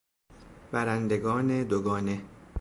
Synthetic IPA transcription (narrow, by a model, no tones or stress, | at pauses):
b̥æɾænd̪eɡɒːned̪oɡɒːne̞